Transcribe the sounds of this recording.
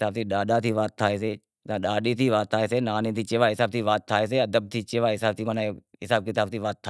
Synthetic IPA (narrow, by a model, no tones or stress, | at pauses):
aːb̚t̪ʰiːɗaːɗaːt̪ʰiːʋaːt̪ʰːaːeːseː | t̪ãːɗaːɗiːt̪ʰiːʋaːt̪ʰːaːeːseːnaːnẽːt̪ʰiːt͡ʃeːʋaːɦɪsaːb̚t̪ʰiːʋaːt̪ʰːaːeːs̬eːəd̪əb̚t̪ʰiːt͡ʃeːʋaːɦɪsaːbt̪iːmənaɪsaːb̚kɪt̪aːb̚t̪ʰiːʋaːt̪ʰːa